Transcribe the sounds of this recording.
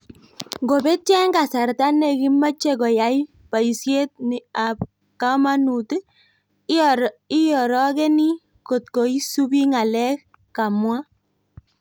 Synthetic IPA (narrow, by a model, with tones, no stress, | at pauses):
ŋɡo˨bɛ˦tɛ˦ŋɡa˨sa˨ɾta˦ne˨ki˦ma˦t͡ʃe˦kɔ˨ja˨j | pa˨i˨sje˦t̚ni˨a˨p̚ | ka˦ma˦nu˨t | i˦jɔ˨ɾɔ˦kɛ˦ni˦ | ko˨t̚ko˨i˦su˦bi˦ŋa˨lɛ˦k | ka˨mwa˦